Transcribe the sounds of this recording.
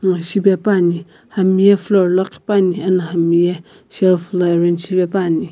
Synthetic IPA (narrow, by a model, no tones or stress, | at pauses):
naʃibɛpani | hamijɛflɔɾlɔki̥panianahamijɛ | ʃɛlflɔɛɾenʃibɛpani